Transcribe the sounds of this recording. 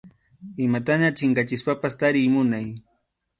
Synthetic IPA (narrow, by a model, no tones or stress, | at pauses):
ɪmat̪aɲat͡ʃɪŋkat͡ʃɪspapast̪aɾɪjmʊnaj